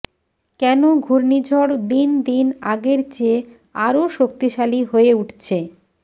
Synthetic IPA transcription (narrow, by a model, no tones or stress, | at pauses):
kɛnoɡʱuɾnid͡ʑʱɔɽd̪ind̪inaɡeɾt͡ɕe | aɾoʃok̚t̪iʃaliɦoeuʈt͡ɕʰe